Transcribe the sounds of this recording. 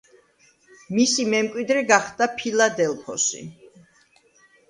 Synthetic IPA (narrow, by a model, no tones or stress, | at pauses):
misimɛmkʼwid̪ɾɛɡaχd̪apʰilad̪ɛlpʰɔsḭ